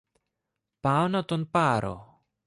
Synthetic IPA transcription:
paonat̪onpaɾo̰

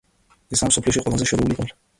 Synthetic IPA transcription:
ɛsamsɔpʰlɛʃiqʼwɛlˠazɛʃɛɾɔuliɔlɛ

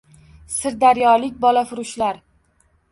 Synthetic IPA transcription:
sɪɾd̪aɾjɒlɪkʲbɒlafʊɾʊʃlaɾ

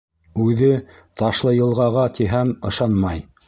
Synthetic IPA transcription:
ʉðɘ | t̪ɑʃlˠɤjɤ̆lˠʁɑʁɑt̪ʰiɦæmɤ̆ʃɑnmɑj

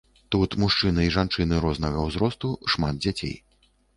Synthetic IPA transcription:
t̪ut̪muʂt͡ʂɨnɨiʐant͡ʂɨnɨɾɔznɐɣɐwzɾɔst̪uʂmad̪̚d͡zʲat͡sʲḛj

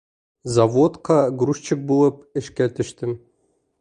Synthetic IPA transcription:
zavot̪qɑɡɾuʃt͡ɕɪk̚bulˠɤp̚ɪ̆ʃkæt̪ʰɘ̆ʃt̪ɪm

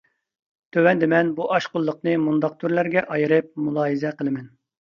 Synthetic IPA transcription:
t̪ʰøwɛnd̪ɪmɛnbuʔɑʃqʊlˠːəq̚nɨmund̪ɑq̚t̪ʰyɾlæɾɡʲɛʔɑjɨɾɨp̚mulˠɑːjizɛqəlˠɨmɛn

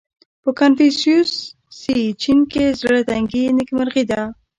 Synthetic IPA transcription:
pəkanfisjusː | it͡ʃinkezɾaɽat̪aŋɡinɪkmaɾɣid̪a

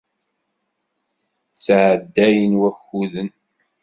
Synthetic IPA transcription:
t͡sːʕəd̪ːæjənwæçuðən

